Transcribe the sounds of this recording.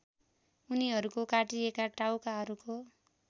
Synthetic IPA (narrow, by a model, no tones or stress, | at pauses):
uniɦʌɾukokaʈiekaʈawkaɦʌɾuko